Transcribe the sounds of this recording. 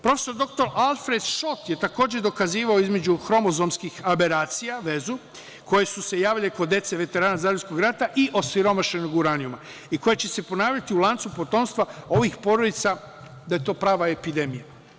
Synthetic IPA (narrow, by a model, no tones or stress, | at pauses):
pɾo̞feso̞ɾd̪o̞k̚t̪o̞ɾalˠfɾe̞d̪ʃo̞t̪je̞t̪ako̞ːd͡ʑed̪o̞kaziːʋaoizme̞d͡ʑuxɾo̞mo̞zomskixabeɾaːt̪sijaʋe̞zu | ko̞je̞suse̞jaːʋileko̞d̪je̞t̪se̞ʋe̞t̪e̞ɾaːnazaːlʲusko̞ɡɾat̪aʔiʔo̞siɾo̞maʃe̞noɡuɾaniuma | iko̞jet͡ɕe̞se̞po̞naːʋʎat̪iulˠant̪supo̞t̪o̞ːmst̪ʋao̞ʋixpo̞ɾod̪it̪sa | d̪aje̞t̪o̞ːpɾaːʋaepid̪e̞mija